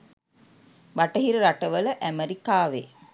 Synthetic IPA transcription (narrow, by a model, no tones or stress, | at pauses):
baʈəɦiɾəɾaʈəʋələʔæməɾikaːʋe